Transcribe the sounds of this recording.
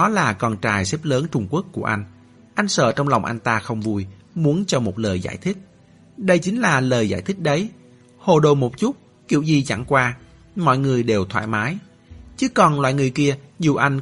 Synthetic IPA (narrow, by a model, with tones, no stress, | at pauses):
ɔ˨˦laː˨˩kɔ˨˩nt͡ɕaː˨˩jsɛ˦˥p̚ləː˨˦nt͡ɕʊ˧ŋ͡mku˦˥əkːu˧˩əʔa˧jŋ̟ | ʔa˧jŋ̟sə̰ː˧˨˩t͡ɕɔ˧wŋ͡mla˨˩wŋ͡mʔa˧jŋ̟t̪aː˧xə˧wŋ͡mvu˧j | mu˨˦ənt͡ɕɔ˧mo˨˩t̚ləː˨˩jza̰ː˧˩jt̪ʰï˦˥k̟̚ | ɗə˧jt͡ɕï˨˦ŋ̟laː˨˩ləː˨˩jza̰ː˧˩jt̪ʰï˦˥k̚ɗə˨˦j | ho˨˩ɗo˨˩mo˨˩t̚t͡ɕu˦˥t̚ | kḭ˧˩əwzi˨˩t͡ɕa̰˧˩ŋkwaː˧ | mɔ̰˧˨jŋɨ˨˩əjɗe˨˩wt̪ʰwa̰ː˧˨jmaː˨˦j | t͡ɕɨ˨˦kɔ˨˩nlwa̰ː˧˨jŋɨ˨˩əjki˧əzu˨˩ʔa˧jŋ̟